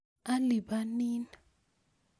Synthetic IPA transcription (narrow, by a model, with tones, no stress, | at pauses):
a˦li˨ɓa˦niː˦na